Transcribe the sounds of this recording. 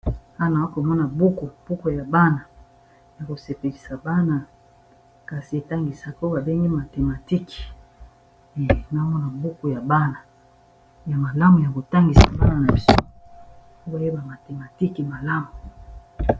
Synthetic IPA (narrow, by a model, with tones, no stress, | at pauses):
a˦˨na˨wa˦ko˨mɔ˦na˨bu˦ku˨b̥u˦ko˨ja˨ba˦na˨ | ja˨ko˨se˨pe˨li˨sa˨ba˦na˨ | ka˨si˨e˨ta˦ŋɡi˨sa˨ko˦ba˨be˦ŋɡi˦ma˨te˨ma˨ti˦ki̥˨ | na˨˦mɔ˦na˨bu˦ku˨ja˨ba˦na˨ | ja˨ma˨la˦mu˨ja˨ko˨ta˦ŋɡi˨sa̰˨ba˦na˨na˨bi˨sɔ˦˨ | o˦ba˨je˦ba˨ma˨te˨ma˨ti˦ki˨ma˨la˦mu˨